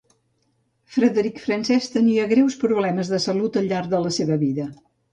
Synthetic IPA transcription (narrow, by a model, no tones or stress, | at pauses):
fɾəðəɾikfɾənsɛst̪əniəɣɾɛwspɾuβlɛməzðəsəlut̪əʎːaɾðələseβəβiðə